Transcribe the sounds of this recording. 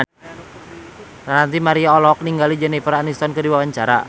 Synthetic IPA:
anant̪imaɾiaɔlɔk̚niŋɡalid͡ʒənipəɾanist̪ɔnkədiwawaɲt͡ʃaɾa̰

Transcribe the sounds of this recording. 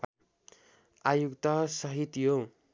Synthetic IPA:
ajukt̪ʌsʌɦit̪jo

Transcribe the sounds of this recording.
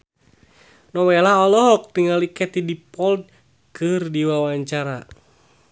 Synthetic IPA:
nɔwɛlaɔlɔɦɔk̚t̪iŋalikɛt̪idipɔld̚ | kɨrdiwawaɲt͡ʃaɾa

